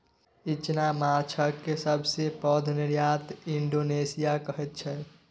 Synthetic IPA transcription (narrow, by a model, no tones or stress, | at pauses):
it͡ʃnamat͡ʃʰəkːesəbʱsepəd̪ʱniɾjat̪iɳɖonesijakəɦɛt̪̚t͡ʃʰɛ